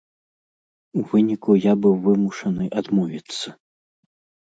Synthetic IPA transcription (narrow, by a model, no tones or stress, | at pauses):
uvɨnʲikujabɨwvɨmuʂɐnɨʔad̪mɔvʲit̪sːɐ